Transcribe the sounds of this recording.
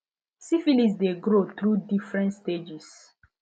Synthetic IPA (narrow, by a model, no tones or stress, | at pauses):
sifilisdeɡɾoθɹudifɹɛ̃ntsted͡ʒis